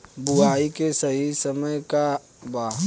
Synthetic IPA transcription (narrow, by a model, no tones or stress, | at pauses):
bʊaːikesɐɦisɐməjka | baː